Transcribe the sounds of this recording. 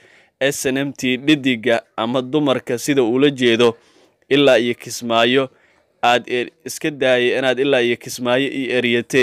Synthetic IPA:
ʔɛːsɐnɐmt̪ʰiːɖɪd̪ɪɡɐʔɐmɐd̪ʊmɐrkʰɐsɪðɐuːlɐt͡ʃɛːðɔ | ʔɪlːaːijɐkʰɪsmaːjɔ | aːd̪ɪskʰɐd̪aːjɛɪnaːd̪ɪlːaːijɐkʰɪsmaːjɔʔijɛːɾjɐt̪ʰɛː

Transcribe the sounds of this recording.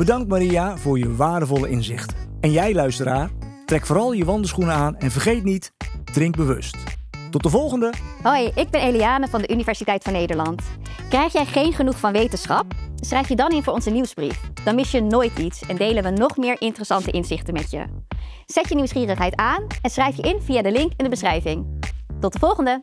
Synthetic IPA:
b̥ədɑŋktmaɾiavʊːɹjəʋaːɹdəvɔləʔɪnzɪχtɛnjɛjlœɥstəɾaːr | trɛkfʊːɾɑlˠjəʋɑndəsχunəaːnɛnvərχejtnit | d̥rɪŋɡ̚bəʋɵ̰sttɔt̚dəvɔlˠχəndəɦojɪɡ̚bɛnejliaːnəvɑndəʔynivɛɹsitɛjtfɑnːejdəɹlɑnt | krɛjχjɛjχejnχənuχfɑnʋejtənsχɑpsrɛjfjədɑnɪnvʊːɹɔnzəniwzbrḭfd̥ɑnmɪsjənoːjtitsɛndejlənʋənɔχmɪːɹʔɪntərəsɑntəʔɪnzɪχtənmɛtjə̰ | z̥ɛtjəniwsχiːrəχɦɛjtaːnɛnsχrɛjfjəʔɪnv̥ijaːdəlɪŋkɛndəbəsχrɛjvɪŋtɔt̚dəvɔlˠχəndə

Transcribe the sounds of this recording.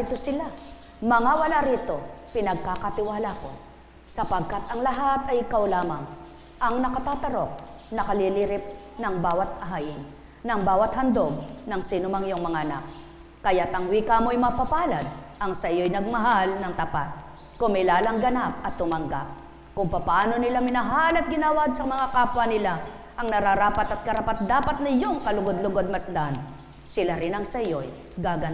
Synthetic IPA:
it̪osɪla | mɐŋawɐlaɾit̪o̞pɪnɐɡ̚kakɐt̪ɪwaːlako̞̰ | sɐpɐɡ̚kat̪ɐŋlɐɦat̪ɐjʔɪkawlaːmɐŋ | ʔɐŋnɐkɐt̪aːt̪ɐɾo̞k̚nɐkɐliliɾɪp̚ | nɐŋbaːwɐt̪̚ɐɦaʔɪn | nɐŋbaːwɐt̪hɐnd̪oɡ̚nɐŋsiːnʊmaŋɪjoŋmɐŋaʔɐnak̚ | kɐjat̪ɐŋwikaːmojmapɐpaːlad̪̚ʔɐŋsɐjojnɐɡ̚mɐɦalnɐŋt̪ɐpat̪̚ | kʊŋmɪlaːlɐŋɡɐnap̚ɐt̪ːʊmɐŋɡa̰p̚ | kʊŋpɐpɐʔaːnonɪlamɪnɐɦalɐt̪̚ɡɪnaːwaɡsɐmɐŋakaːpwɐnɪla | ʔɐŋnɐɾaɾaːpat̪ɐt̪̚kɐɾapat̪̚d̪aːpat̪̚nɪjoŋkɐlʊɡod̪lʊɡod̪̚mɐsd̪an | sɪlaɾɪnɐŋsɐjoj | ɡaːɡɐn

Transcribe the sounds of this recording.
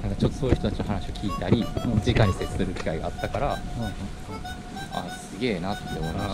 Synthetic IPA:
nãŋkat͡ɕo̞t̪ːo̞so̞ːjɯ̟çt̪ot̪at͡ɕino̞ɦanaɕio̞kʲiːt̪aɾʲid͡ʑikãɲ̟ːiset͡sɨ̥sɨɾɯ̟kʲi̥kaiɡa̰at̪ːakaɾa | a̰sɨɡe̞ːnat̪ːe

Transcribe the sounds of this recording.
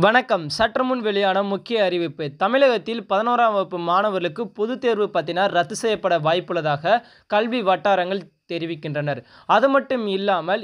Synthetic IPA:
ʋɐɳɐkːɐmsɐʈːrɐmʊnʋɛɭɪjaːnɐmʊkːɪjɐːɾɪʋɯpːɯt̪ɐmɪɭɐɣɐt̪ːɪlpɐðɐnoːɾaːmɐpːɯmaːnɐʋɐɾɐɭɯkːɯpɔðɯt̪eːɾʋɯpaːɾt̪ːɪnaːɾɾɐt̪ːɯsɛjɐpːɐɽɐʋaːjpːɯɭɐðaːɣɐ | kɐlʋiʋɐʈːaːɾɐŋɡɐɭt̪ɛɾɪʋɪkːɪndrɐnɐɾ | ɐðɯmɐʈːɯmɪlːaːmɐl

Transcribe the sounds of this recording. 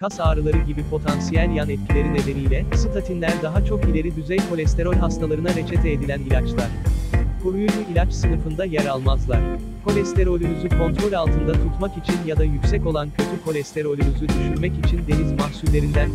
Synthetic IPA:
kʰasaːɾɯlˠaɾɯɟibipʰo̞t̪ʰansijɛlʲjanɛt̪̚cʰilʲe̞ɾine̞ve̞ɾijlʲɛsɯt̪ʰat̪ʰinlʲæɾd̪aɦat͡ʃʰo̞kilʲe̞ɾid̪yzɛjko̞lʲɛst̪e̞ɾo̞lʲɦast̪ʰalˠaɾɯnaɾe̞t͡ʃʰɛt̪ʰeːd̪ilʲænilʲat͡ʃlˠaɾ̥kʰuɾujud͡ʒuʔilʲat͡ʃsɯnɯfɯnd̪ajaɾalˠmazlˠaɾ̥ | kʰo̞lʲɛst̪ʰe̞ɾo̞lʲymyzykʰo̞nt̪ɾo̞lʲalˠt̪ʰɯnd̪at̪ʰut̪makit͡ʃʰinjad̪ajycʲsɛco̞lˠancʰø̞t̪ʰykʰo̞lʲɛst̪e̞ɾo̞lʲymyzyd̪yʃyɾmɛcit͡ʃʰind̪e̞nizmahsullʲe̞ɾind̪æn

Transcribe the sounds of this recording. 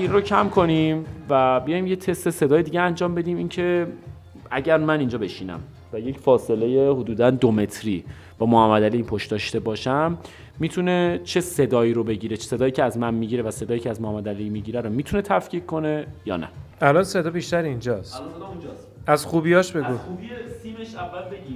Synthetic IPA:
inrocʰæmkʰo̞nimvæbijɒːjimjet̪ʰest̪e̞se̞d̪ɒːje̞d̪iːɟeænd͡ʒɒːmbe̞d̪iːmincʰe̞ | æɟæɾmæniːnd͡ʒɒːbe̞ʃiːnæ̰m | væje̞cfɒːse̞le̞jehod̪uːd̪ænd̪ome̞t̪ʰɾiː | b̥ɒːmohæmːæd̪æliːiːnpʰoʃt̪d̪ɒːʃt̪e̞bɒːʃæmː | iːt̪ʰune̞t͡ʃʰe̞sed̪ɒːiːɾobe̞ɟiːɾe̥se̞d̪ɒːjiːcʰeæzmænmiːɟiːɾevæse̞d̪ɒːjicʰeæzmohæmːæd̪ælimiɟiːɾæɾomiːt̪ʰune̞t̪ʰæfcʰiːɡkʰo̞ne̞jɒ̰ːnæ̰ælɒnse̞d̪ɒːbiʃt̪æɾind͡ʒɒːst̪ː | æzxubijɒʃbeɡuubsimeʃævːælbei

